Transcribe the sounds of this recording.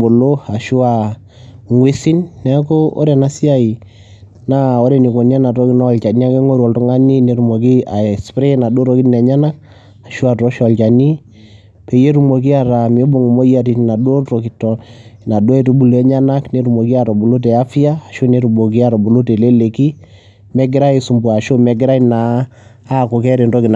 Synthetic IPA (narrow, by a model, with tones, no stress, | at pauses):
bo˨lo˦a˨ʃu˦a˨ | ŋwe˦si˦nːɛ˦ko˦o̰˦ɾɛ˨na˦si˦a˦i˨ | na˦o˦ɾɛ˨ni˨ko˨ni˦a˦na˨tɔ˦ki˦nɔ˦˨lt͡ʃa˨ni˦a˦ke˦ŋo˦ɾɔ˨ltɔ˦ŋa˦ni˦ne˦ɾu˨mo˨ki˦a˨spɾe˦na˨do˦ɾɔ˨ki˦tnɛ˨ɲa˦na˦k̚ | a˨ʃu˦a˨tɔ˦ʃɔ˨lt͡ʃa˨ni˦ | pe˨je˦ɾu˨mo˨k̬i˦a˨ɾa˨m˨o˦bo˨ŋu˨mo˦ja˦ti˨tna˨do˦to˨ki˨tɔ˨na˨do˦ɛ˨tu˦bu˦lɛ˦ɲa˦na˦kne˨˦ɾu˨mo˨ki˦a˨ɾɔ˨bu˨lo˦t̬ɛ˨a˦fi˦aː˦˨ʃo˦ne˦ɾu˨bo˨k̬i˦a˨ɾɔ˨bo˨lo˦te˨le˦le˨ki˦ | mɛ˦ɡɪ˦ɾa˦e˨su˨mbu˨a˨ʃo˦mɛ˨ɡɪ˦ɾa˦i˦naː˨˦˨ | ko˨kɛ˦ɾe˨ndɔ˦ki˨n˨